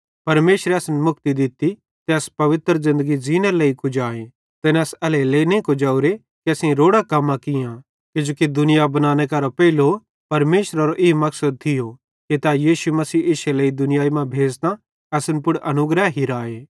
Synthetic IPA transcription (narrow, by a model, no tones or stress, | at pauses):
pɐɾmeːʃɾɛɐsnmʊk̚t̪id̪ɪt̪i | t̪eɐspɐʋɪt̪ɾzɪ̃nd̪əɡid͡ʒiːneleikʊd͡ʒaːe | t̪eːnɐsɐleleːinẽkod͡ʒaːuɾe | kiɐsẽɾoːɽakɐmːãkɪjã | kɪd͡ʒoːkid̪ʊnɪjabɐnaːñekaɾopɛilo | pɐɾmeːʃɾaɾoʔɪimɐksəd̪̚t̪ʰɪjo | kit̪ajiːʃumɐsiːʔɪʃeleid̪ʊnɪjaːimãbʱeːd͡ʒt̪ã | ɐsʊnpʊɽʔɐnʊɡɾɛɦɦiɾaːeː